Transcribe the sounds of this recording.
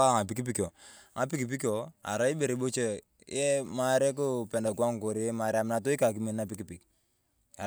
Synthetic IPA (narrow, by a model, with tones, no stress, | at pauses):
a˦˨ŋa˨p̬i˨˦ki˦p̬i˦ko˨ | ŋa˨p̬i˦ki˨p̬i˦ko˨a̰˨ɾa˦i˦be˨ɾi˨bo˦t͡ʃe˨ | jɛ˦ma˦ɾe˦k̬ʊ˦pɛ˨nda˨ku˦a˦ŋ˨ko˨ɾi˦ɛ˦ma˨ɾɛ˦a˨mɪ˦na˨t̬o˦i˦ka˨k̬i˦mi˨n˦a˦pi˦ki˨pi˨k̚ | a˨